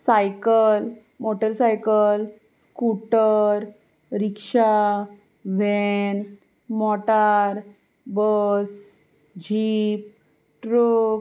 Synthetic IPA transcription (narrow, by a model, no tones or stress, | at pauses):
sajkəl | moʈəɾsajkəl | skuʈəɾ | ɾikʂa | ʋɛn | mɔʈaɾ | bəs | d͡ʑip̚ | ʈɾok